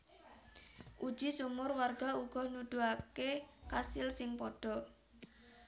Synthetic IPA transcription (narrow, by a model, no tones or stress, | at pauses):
ʔud̥ʒ̥i̤sumʊrwarɡ̥auɡ̥ɔhnud̪̥uakekasɪlsɪŋpɔɖ̥ɔ̤